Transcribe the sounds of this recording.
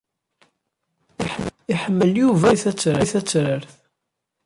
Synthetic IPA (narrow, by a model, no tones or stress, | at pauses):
iħəmːəljuvæθæt͡sːɾəθæt͡sːɾəɾθ